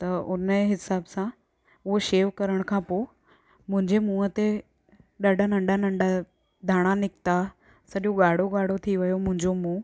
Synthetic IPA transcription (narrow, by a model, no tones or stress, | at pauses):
t̪ɐʊnəɦɪsaːbsã | ʊɦoʃeːʋkɐɾəɽ̃kʰãːpoː | mʊ̃ɦɪ̃ɲd͡ʑemũːət̪e | ɗaɖʱanɐ̃ɳɖʱanɐ̃ɳɖa | d̪ʱaːɽ̃anɪkt̪a | sɐɗoɠaːɽ̤oɡaːɽ̤ot̪ʰiʋɐjomʊ̃ɦɪ̃ɲd͡ʑomũː